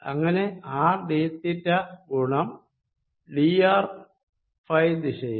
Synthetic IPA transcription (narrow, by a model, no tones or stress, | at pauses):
ɐ̰ŋːɐne̞aːɖeːt̪ːitːɐkuɳɐm | ɖiaːr | fɐjd̪iɕɐj